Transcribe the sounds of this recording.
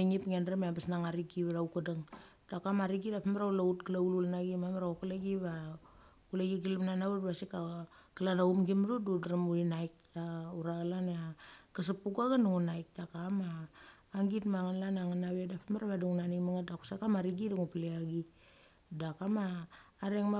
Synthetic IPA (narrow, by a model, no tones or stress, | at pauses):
iŋipŋandɾameabasnaŋaɾiɡiβɾaukadaŋ | d̥akamaɾiɡidapamaɾaulautkalaululnaɡimameɾaokuleɡiβa | kuleɡiɡilamnanawedbasika | kalanaumɡimɾududɾamuɾinajk̚tauɾaɡlanakas̬apuɡaɡanuŋunajk̚dakamaː | ŋɡitmaŋanlanaŋanaβedapameɾaβaduŋnanimaŋadaku̥sakamaɾiɡidaŋupleaɡi | dakamaːɾaŋma